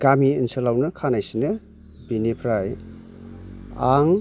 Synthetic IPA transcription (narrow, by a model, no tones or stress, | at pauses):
ɡ̥amiinsɯlawnɯkʰanajsinɯ | binipʰɾaj | aŋ